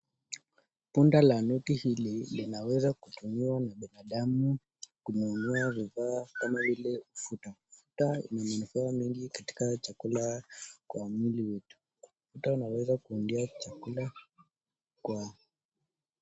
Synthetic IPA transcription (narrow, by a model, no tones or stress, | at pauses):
pundalanukihililinawɛzakutumiwanaɓinaɗamu | kumuunuavivaːkamavilɛmufutafu̥taḭnamanufaːmiŋɡikati̥kat͡ʃakulakwamiliwɛtu̥ | ufutaunawɛzakuːndiat͡ʃakula | kwa